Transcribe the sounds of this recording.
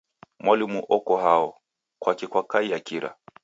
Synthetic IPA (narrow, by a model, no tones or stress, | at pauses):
mwalimuʔɔkɔɦaɔ | kwakikwakaijakiɾa̰